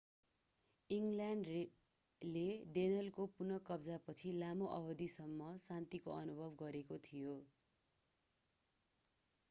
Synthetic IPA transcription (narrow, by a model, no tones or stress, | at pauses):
iŋljaɳɖ | leɖenʌlkopunʌkʌbd͡zapʌt͡sʰilamoʔʌbʌd̪isʌmːʌsant̪ikoʌnubʱʌbɡʌɾekot̪ʰijo